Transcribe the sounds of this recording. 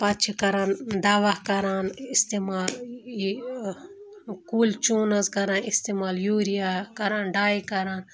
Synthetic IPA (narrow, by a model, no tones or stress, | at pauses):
pɐtt͡ʃʰikɐɾãːnd̪aːʋakɐɾaːnist̪emaːl | kuːlt͡ʃoːnɐzkɐɾãːnist̪emaːljuːɾijakɐɾaːnɖaːikɐɾaːn